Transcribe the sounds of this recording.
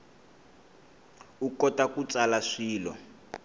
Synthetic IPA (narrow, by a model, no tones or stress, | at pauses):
ukɔtakut͡salaʂiːlɔ̰